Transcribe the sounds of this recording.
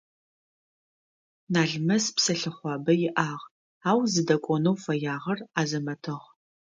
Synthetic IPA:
naːɮmɐspsɐɬɨχʷɑːbɐjɪʔaːʁ | aːwzɨdɐkʷʼɔnɐwfɐjaːʁɐraːzɐmɐtʰɨʁ

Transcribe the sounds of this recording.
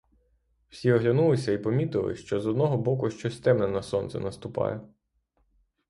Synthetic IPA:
wsʲiɔɦlʲɐnulˠɪsʲɐipɔmʲit̪ɪlˠɪ̰ʃt͡ʃɔzɔd̪nɔɦɔbɔkʊʃt͡ʃɔsʲt̪ɛmnɛnɐsɔnt̪sɛ̰nɐst̪ʊpɑ̰jɛ

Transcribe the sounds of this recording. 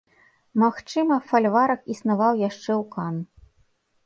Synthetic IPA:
maxt͡ʂɨmɐfalʲvaɾɐkisnavawjaʂt͡ʂɛwkan

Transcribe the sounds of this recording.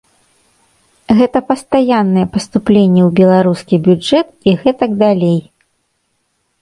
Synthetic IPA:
ɣɛt̪ɐpɐst̪ajanːɨjɛpɐst̪uplʲenʲːɛwbʲɛlˠaɾuskʲibʲud͡ʐɛt̪iɣɛt̪ɐɡd̪alʲej

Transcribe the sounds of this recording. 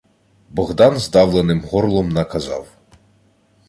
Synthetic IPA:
bɔɣd̪ɑnzd̪ɑwlˠenɪmɦɔrlˠɔmnɐkɐzɑ̰w

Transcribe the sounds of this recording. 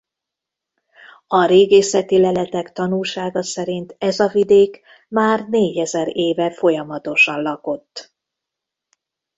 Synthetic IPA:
ɒɾeːɡeːsɛt̪ilɛlɛt̪ɛkt̪ɒnulʃaːɡɒsɛɾint̪ɛzɒvid̪eːk | maːrneːɟɛzɛɾeːvɛfo̞jɒmɒt̪o̞ʃɒnlɒko̞t̪ː

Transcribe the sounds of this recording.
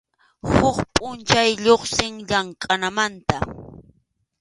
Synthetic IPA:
hʊχpʼʊnt͡ʃajʎoχsɪŋʎaŋkʼanamant̪a

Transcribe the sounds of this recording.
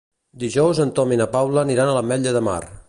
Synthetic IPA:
d̪iʒɔwzənt̪ɔminəpawləːniɾanələmɛʎəðəma̰r

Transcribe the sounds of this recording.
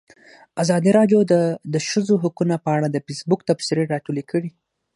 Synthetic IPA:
azɑd̪iɾɑɖjod̪əd̪əʃəzoɦʊkunapəaɽad̪əfisbʊkt̪absɪɾeɾɑʈulekəɽi

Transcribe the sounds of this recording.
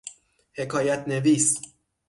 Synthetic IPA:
he̞kʰɒːjæt̪ʰneviːs

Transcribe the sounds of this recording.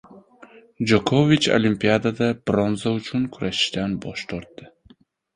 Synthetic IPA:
d͡ʒokʰovit͡ʃo̰limpiad̪ad̪abɾɔnzawt͡ʃʰunkʰuɾaʃd̪anbɔ̰ʃt̪ɔɾt̪̚d̪̥ɪ

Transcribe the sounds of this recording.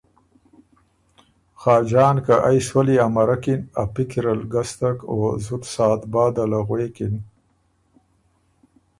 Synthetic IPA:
xɑːd͡ʒɑːnkaʔajswaliamaɾakina̰pikiɾalɡast̪akozut̪sɑːt̪bɑːd̪alaɣweːkin

